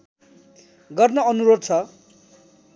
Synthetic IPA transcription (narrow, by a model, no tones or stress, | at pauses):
ɡʌrnʌʌnuɾod̪̚t͡sʰʌ